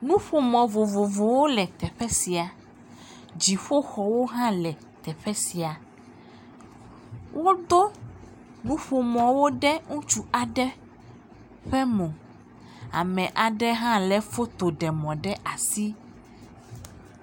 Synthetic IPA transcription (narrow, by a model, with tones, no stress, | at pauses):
nũ˦ɸo˨mɔ̃˨vo˨vo˨vo˨wo˦lɛ˨t̪ɛ˨ɸɛ˦si˨a˨ | d͡ʑi˨ɸo˦xɔ˨wo˦ɦã˦lɛ˨ | t̪ɛ˨ɸɛ˦si˨a˨ | wʔo˦d̪o˦ | nũ˦ɸo˨mɔ̃˨wo˦ɖɛ˦ŋũ˦t͡ʃu˦a˨ɖɛ˦ | ɸɛ˦mõ˨ | a̰˨mɛ̃˨ʔa˨ɖɛ˦ɦã˦lɛ˨fo˦t̪o˨ɖɛ˨mɔ̃˨ɖɛ˦ʔa˨si˦